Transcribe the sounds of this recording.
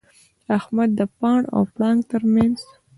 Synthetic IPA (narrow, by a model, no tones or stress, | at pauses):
ahmad̪̚ːəpɑɳa̰wpɽɑŋɡt̪əɾmanz̥